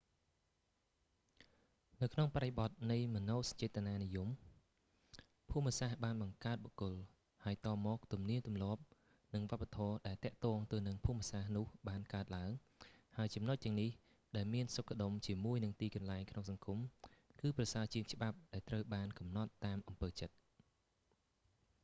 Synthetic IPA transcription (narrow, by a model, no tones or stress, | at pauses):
nɨwkʰnoŋpaɾeɓɑt̪̚nɨjmɔ̆noːsɑ̥ɲt͡ɕɛːt̪ːənaːnijum | pʰuəmːəsahɓaːnɓɑŋkaət̪̚ɓokʊl | haəjt̪ɑːmɔːk̚t̪umniənt̪umlŏəp̚ | nɨŋʋŏəpːat̪ʰɔːɗaɛlt̪ɛ̆əʔt̪ɔːŋt̪ɨwnɨŋpʰuːmːiəsahnʊ̆əhɓaːnkaət̪̚laəŋ | haəjt͡ɕɑmnot̪̚t̪ːɛ̆əŋnih | ɗaɛlmiənsokːə̆ɗomt͡ɕiəmuəjnɨŋt̪iːkɑnlaɛŋkʰnoŋsɑŋkumkɨːprɑsaːt͡ɕiəŋt͡ɕə̆ɓap̚ɗaɛlt̪rəwɓaːnkɑmnɑt̪ːaːmʔɑmpəːt͡ɕət̪̚